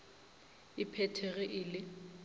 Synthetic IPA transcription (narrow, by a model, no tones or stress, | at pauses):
ɪpʰɛtʰɛɣɛʔɪlɪ